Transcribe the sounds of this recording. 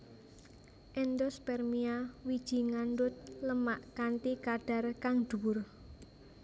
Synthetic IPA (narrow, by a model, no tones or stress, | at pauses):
ʔɛnd̪ɔspɛrmiawid̥ʒ̥i̤ŋandʊt̪̚ləmaʔkant̪ikaɖ̥a̤rkaŋd̪̥ṳwʊr